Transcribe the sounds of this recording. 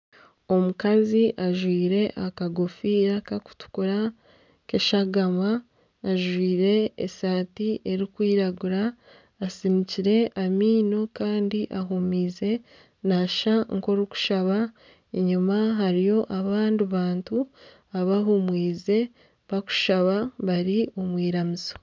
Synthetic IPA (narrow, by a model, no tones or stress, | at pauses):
o̞mukaziʔaʒwiːɾe̞ʔakaɡofiɾakaku̥tu̥kuɾa | keʃaɡamaː | ʒwiːɾe̞ḛsaːtieɾikwiːɾaɡuɾaː | siniciɾe̞ʔamiːno̞kaːndiʔaɦumiːze̞ | naʃaŋko̞ɾiku̥ʃaβa | eɲumaɦaɾijo̞ʔaβaːndiβaːntu | aβaɦumwiːze̞ | βaku̥ʃaβaβaɾiomwiːɾamizo